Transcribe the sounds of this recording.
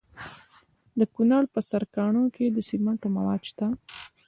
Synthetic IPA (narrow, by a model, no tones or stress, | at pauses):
d̪əkunɑɽpəsaɾkɑɳokʰed̪əsilmaɳʈoma̰wɑ̰d̪ʃt̪a